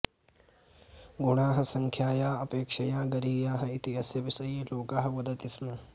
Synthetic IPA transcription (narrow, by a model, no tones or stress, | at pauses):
ɡuɳaːɦɐ̆sɐŋkʰjaːjaːɐpeːkʂɐjaːɡɐɾiːjaːɦɐit̪iɐsjɐʋisɐjloːkaːɦɐ̆ʋɐd̪ɐt̪ismɐ